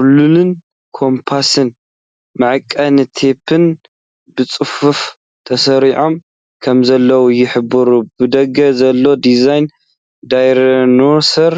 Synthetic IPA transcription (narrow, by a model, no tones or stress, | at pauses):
lulɨn | kʰo̞mpʰasɨn | mɨʕɨkʼːɐnɨt̪ʰe̞pʰɨn | bɨt͡sʼɨfuf | t̪ʰɐsɐɾiʕo̞m | kʰɐmzɐlːɐwujɪħɨbɨɾubɨd̪ɐɡɐzɐlːo̞d̪izajn | d̪ajɾonoɾsɐɾ